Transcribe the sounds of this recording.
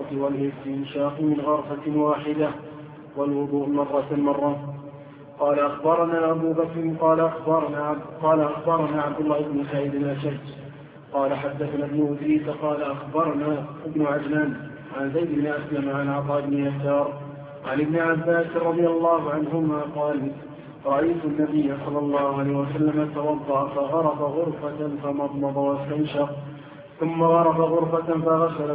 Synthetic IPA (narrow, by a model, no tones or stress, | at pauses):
t̪walʔɪst̪ɪmʃaːqmɪnɣɑɾˤfawaːħɪd̪a | walwʊd̪ˤuːʔmɑrˤːɑmɑrˤːɑ | qɑːlaʔaxbɑɾˤɑnaːʔabuːbakɾɪmqɑːla | qɑːlaʔaxbɑɾˤɑnaːʕabd̪ʊlːaːhɪbnʊsaʕiːd̪ɪnʔaʃahd͡ʒ | qɑːlaħad̪ːaθanabnʊʔʊd̪ɾiːsaqɑːlaʔaxbɑɾˤɑnaːʔɪbnʊʕad͡ʒlaːn | ʕanzajd̪ɪbnɪʔaslamʕanʕɑt̪ˤɑːʔɪbnɪjasɑːɾˤ | ʕanʔɪbnɪʕabːaːsˤɑd̪ˤɨjalːɑːɦʊʕanɦʊmaːqɑːl | ɾˤɑʔajt̪ʊnːabəjːasˤɑlːɑlˤːɑːhʊʕalaːhwasalːamat̪awɑd̪ˤːɑʔafaɣɑɾˤɑfaɣʊɾfafamɑd̪ˤmɑd̪ˤawast̪amʃɑq | θʊmːaɣɑɾˤɑfaɣʊɾˤfafaɣasal